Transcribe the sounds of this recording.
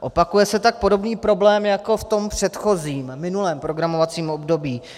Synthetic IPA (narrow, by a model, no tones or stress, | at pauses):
ʔo̞pakujɛsɛt̪ak̚po̞do̞bniːpɾo̞blɛːmjako̞ft̪o̞mpr̥ɛt̪xo̞ziːmːɪnulɛːmpɾo̞ɡɾamo̞vat͡siːmo̞bdo̞biː